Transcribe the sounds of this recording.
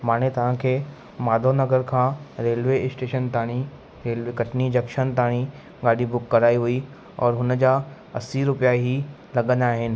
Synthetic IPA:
maːnet̪ɐʋ̤ãkʰeː | maːd̪ʱonɐɡəɾkʰãːɾeːlʋesʈeːʃənt̪aːɽ̃i | ɾeːlʋekɐʈʰnid͡ʑɐkʃənt̪aːɽ̃i | ɡaːɖibʊkːɐɾaːiɦui | ɔːɾɦʊn̆d͡ʑa | ɐsiɾʊpijaɦi | lɐɠə̃nd̪aːɦɪnɪ̆

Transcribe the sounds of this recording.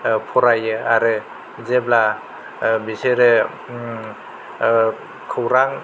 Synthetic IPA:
pʰɔɾajɯaɾɯ | zebla | biseɾɯ | kʰɯwɾaŋ

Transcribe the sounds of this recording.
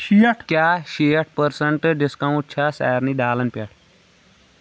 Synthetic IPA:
ɕijɐʈʰkjaɕijəʈ̚ʰpəɾsəɳʈɖiskãũtːɕʰasa̰jəɾniːɖaːlənpaʈ

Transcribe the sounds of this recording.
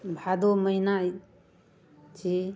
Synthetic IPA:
bʱad̪oməjnaj | t͡ʃi

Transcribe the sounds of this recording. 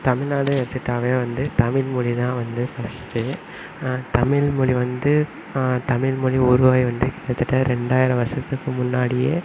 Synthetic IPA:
t̪ɐmɪɭnaːðɐɛɾt̪ːɯʈːaːʋeːʋɐnd̪ɯt̪ɐmɪlmʊɻiðãːʋɐnd̪ɯfɐsʈɯ | t̪ɐmɪlmʊɭiʋɐnd̪ɯ | t̪ɐmɪlmʊɭiɔɾɯʋaːjʋɐnd̪ɯkɪɽɐt̪ːɯʈːɐɾɛɳɖaːjɪɾɐʋɐsɐt̪ːɯkːɯmʊnːaːɽɪjeː

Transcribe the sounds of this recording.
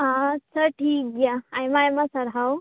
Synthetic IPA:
ɦãsʰəʈʰiːk̚d͡ʒaajmajmasəɾɦaw

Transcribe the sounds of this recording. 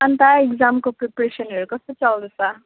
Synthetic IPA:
ant̪aekd͡zamkopɾepɾesʌnʌɾukʌst̪ot͡sʌld̪esʌ

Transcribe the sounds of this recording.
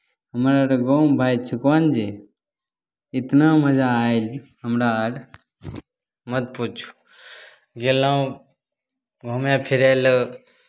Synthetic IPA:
ɦəmɾaːɽɡoːmbʱaːjt͡ʃʰəkaːnd͡ʒe | ɪt̪nãːməd͡ʒaːjlɦəmɾaəɽ | mət̪̚pot͡ʃʰu̥ | ɡelːaːũ | ɡʱoːmjãːpʰiɾaːl

